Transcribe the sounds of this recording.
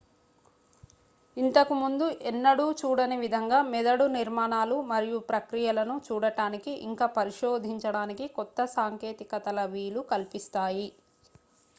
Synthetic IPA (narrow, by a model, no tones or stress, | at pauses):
int̪ɐkimund̪uʔɛnːɐɽuːt͡ʃuːɽɐnɐʋid̪ʱɐŋɡaːmɛd̪ɐɽuniɾmaːnaːlumɐɾijupɾɐkɾijɐlɐnut͡ʃuːɽɐʈaːnikiʔḭŋkaːpɐɾiʃoːd̪ʱiɲt͡ʃɐɽaːnikikɔt̪ːɐsaːŋke̞ːt̪ikɐt̪ɐlɐʋiːlukɐlpist̪aːji